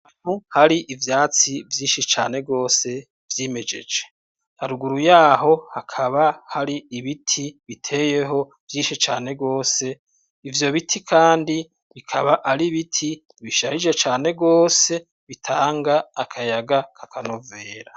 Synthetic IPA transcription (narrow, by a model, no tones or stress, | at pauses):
anuhaɾiʔivjaːt͡sivjiːnʃit͡ʃaːne̞ɡo̞ːse̞ | vjime̞d͡ʒe̞̰d͡ʒe̞ | haɾuɡuɾujaːɦo̞hakʰaβahaɾiːβitʰiβitʰe̞ːje̞ɦo̞ | vjiːnʃit͡ʃaːne̞ɡo̞ːse̞ | ivjo̞βitʰikʰaːndi | βikʰaβaʔaɾiβitʰi | βiʃahid͡ʒe̞t͡ʃaːneɡo̞ːse̞ | βitʰaːŋɡaːkʰajaɡakʰakʰano̞ve̞ːɾa